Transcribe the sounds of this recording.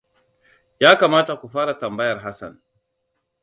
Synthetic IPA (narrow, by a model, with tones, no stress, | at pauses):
jaː˦ka˨maː˦ta˨ku˨faː˦ɾa˨ta˨mba˦ja˨ɾɦa˦sa̰˨n